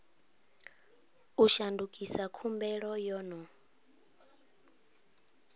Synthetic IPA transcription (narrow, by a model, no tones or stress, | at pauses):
uʃandukʼisakʰumbɛɺɔjɔːnɔ